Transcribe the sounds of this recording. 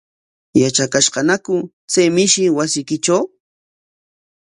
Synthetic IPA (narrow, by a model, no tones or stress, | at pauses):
jat͡ʃakaʃɢɑnakʊ | t͡sajmɪʃɪwasɪjkɪt͡ʃaw